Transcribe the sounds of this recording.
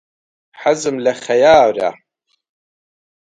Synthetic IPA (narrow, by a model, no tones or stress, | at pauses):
ħazɨmlɐχɐjaːwɾa̰